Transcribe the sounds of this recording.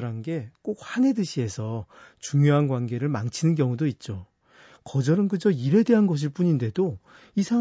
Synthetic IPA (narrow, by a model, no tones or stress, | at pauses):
ɾanɡe̞k͈ok̚hane̞dɯɕʰie̞sʰʌt͡ɕuŋjoɦanɡwanɡe̞ɾɯɭmaŋt͡ɕʰinɯnk̬jʌŋudoit̚t͡ɕ͈o | kʌd͡ʑʌɾɯnkɯd͡ʑʌiɾe̞de̞ɦanɡʌɕ̬ʰiɭp͈uɲinde̞do | isʰa